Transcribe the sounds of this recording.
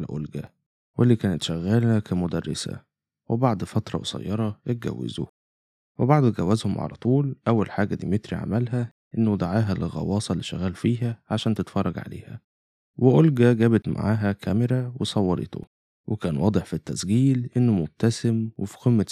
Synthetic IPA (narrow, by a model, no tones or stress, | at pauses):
lʔolɡæ | wʔelːiːkæːnet̪ʃæɣːæːlækæmʊd̪ærːesæ̰ | webaʕd̪ˤfɑt̪ɾˤɑ̰wesɑ̰jːɑɾˤɑjet̪̚ɡæ̰wːḛzo̰ | webaʕd̪ɡæwːæzhomʕa̰læ̰t̪ˤuːlʔæwːælħaːɡæd̪ḭːmet̪ɾḭʕa̰mælɦæ | ʔenːod̪aʕaːɦælelɣɑ̰wɑːsˤɑlːiʃæɣæːlfiːɦæʕaʃæːnt̪et̪fɑrˤːɑɡʕa̰lḛːhæ̰ | weʔolɡæɡæːbæt̪ma̰ʕaːɦækʰæmeɾæwesˤɑwːɑɾḛt̪ʰo̰ | wekæːnwʔɑːd̪ˤeħfit̪ːæsɡiːlʔenːomob̚t̪æsemwefi̥qemːæ